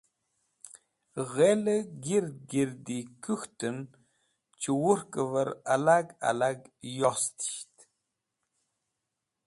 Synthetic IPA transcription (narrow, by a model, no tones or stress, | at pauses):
ɣeləɡiɾd̪̚ɡiɾd̪ikuxt̪ən | t͡ʃiwuɾkəvəɾalaɡa̰laɡjost̪i̥ɕt̪